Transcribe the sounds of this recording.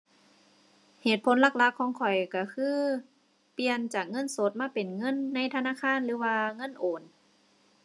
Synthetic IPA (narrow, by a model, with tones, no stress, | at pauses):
heː˨˩t̪̚pʰo˧˦nla˧˩k̚la˧˥kʰːɔː˧˦ŋkʰɔ˨˩jka˧˩kʰɯː˧˥˨ | pi˧ənt͡ɕaː˨˩k̚ŋɤ˧˥˨nso˧˦t̪̚maː˧˥˨pe˨˩nŋɤ˧˥˨nːa˧˥˨jt̪ʰa˧naː˧˥˨kʰaː˧˥˨nlɯː˨˧˦waː˧ŋɤ˧˥˨nʔoː˨˩n